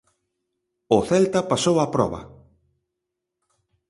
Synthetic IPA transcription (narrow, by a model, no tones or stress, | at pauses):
ʊθɛlt̪ɐpasowapɾɔ̰βɐ̰